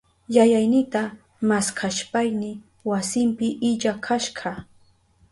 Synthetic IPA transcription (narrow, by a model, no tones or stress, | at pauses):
jajajnɪt̪a | maskʰaʃpajnɪ | wasɪmpɪʔɪʎakʰaʃɢɑ